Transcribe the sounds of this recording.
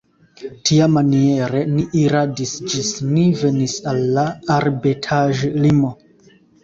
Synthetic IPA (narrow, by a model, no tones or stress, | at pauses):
tʰiamanie̞ɾe̞niʔiɾadisd͡ʒisnive̞nisalːaːɾbetʰaʒlimo̞